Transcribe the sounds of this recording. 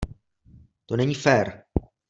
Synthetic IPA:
t̪onɛɲifɛɾ

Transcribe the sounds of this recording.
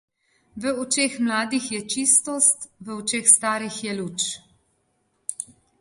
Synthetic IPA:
ʋəɔt͡ʃeːxmlaːd̪ixjɛt͡ʃist̪ɔst̪ʋəɔt͡ʃeːxst̪aːɾixjɛluːt͡ʃ

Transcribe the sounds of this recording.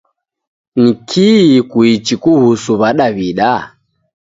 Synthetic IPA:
nikʰikuit͡ʃikuhusuβaɗaβiɗa

